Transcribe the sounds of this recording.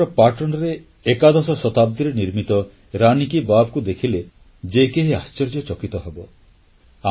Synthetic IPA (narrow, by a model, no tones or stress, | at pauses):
ɔpaʈɔnɔɾeː | kad̪ɔsɔsɔt̪ab̚d̪iɾeniɾmit̪ɔ | ɾanikibabkud̪ekʰile | d͡ʒekeɦiast͡ʃɔɾd͡ʒjɔt͡ʃɔkit̪ɔɦebɔ | a